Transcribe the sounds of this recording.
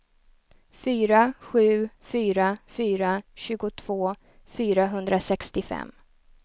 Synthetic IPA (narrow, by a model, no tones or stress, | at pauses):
fyːɾaɧʉ̟ːfyːɾafyːɾaɕʉ̟ːɡʊt̪ʰv̥oː | fyːɾaɦɵnd̪ɾasɛkst̪ɪfɛ̰mː